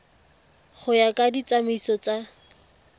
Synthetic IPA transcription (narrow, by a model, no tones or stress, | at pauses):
χʊjakʼadit͡samisɔt͡sa